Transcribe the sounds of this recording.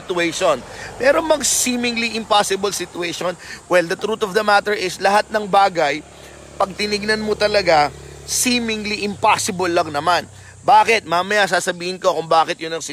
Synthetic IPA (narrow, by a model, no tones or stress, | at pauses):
t̪ʊɛjʃonpɛɾo̞mɐɡsiːmɪŋliʔɪmpasɪbɐlsɪt̪ʊɛjʃonwɛld̪ɐt̪ɾut̪ɔvd̪ɐmat̪ɛɹɪslɐɦat̪̚nɐŋbaːɡɐj | pɐɡ̚t̪ɪnɪɡ̚nɐnmot̪ɐlɐɡasiːmɪŋliʔɪmpasɪbolːɐŋnɐman | baːkɪt̪̚maːmɐjas̬aːsɐbiːhɪnko̞kʊŋbaːkɪt̪̚jʊnɐŋsɪ